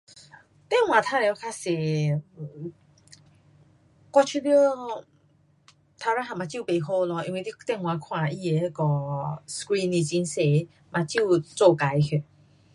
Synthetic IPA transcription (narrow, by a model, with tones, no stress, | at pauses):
t̪ɛ˥˨ŋwã˨˩t̪ʰa˧lɛ˧˦wkʰa˧se˨˩˨ | kwa˧t͡ɕʰu˧ljo˦ | t̪ʰa˧ɾa˧˦ɦa˨˩mã˨t͡ɕi˦˥˨pe˨˩ɦo˥˧lɔ˧˦i˧nwi˧t̪i˦˧t̪ɛ˥˧˨ŋwã˨kʰwã˧i˧e˨˧˦kɔ˨˧skɾi˧ni˧˩t͡ɕi˧nse˨˦ | mã˨t͡ɕi˥˩˨t͡so˥˧˨ka˨˦jkʰe˧˩